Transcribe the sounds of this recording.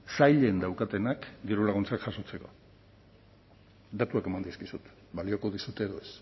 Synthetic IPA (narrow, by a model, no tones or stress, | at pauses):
sajʎe̞nd̪awkat̪e̞nakd̪iɾulaɣ̞unt͡sakʝaso̞t͡se̞ko̞̰ | d̪at̪uake̞mand̪iskisut̪ | balio̞ko̞ðisut̪e̞ðoe̞s